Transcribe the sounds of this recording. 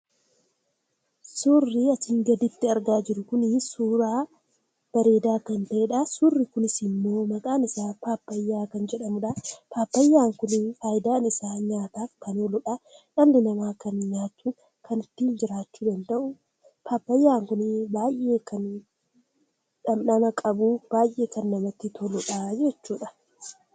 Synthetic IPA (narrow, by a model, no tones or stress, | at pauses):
sʊrːiɐsɪŋɡɐd̪ɪt̪ːɪɐɾɡaːd͡ʒɪɾʊkʊnɪsuːɾaː | b̥ɐɾe̞ːd̪aːkɐnt̪ɐʔeːᶑɐsʊrːɪkʊnɪsɪnːoːmɐkʼaːnɪsaːpaːpːɐjːaːkɐnd͡ʒɛᶑɐmʊᶑɐpaːpːɐjːaːŋkʊnfaːjɪd̪aːnɪsaːɲaːt̪aːkːɐnolɔᶑaːᶑɐlːɪnɐmaːkɐnɲaːt̪ːuː | kʰɐnɪt̪ːiːnd͡ʒɪɾaːt͡ʃːuːd̪ɐnt̪ɐʔʊ | paːpːɐjːaːŋkʊnbaːjʔe̞ːkɐn | ᶑɐmnɐmɐkʼɐbuːb̥aːjʔʔe̞ːkɐnːɐmɐt̪ːɪt̪ʰɔlɔᶑaːd͡ʒɛt͡ʃːuːᶑɐ̥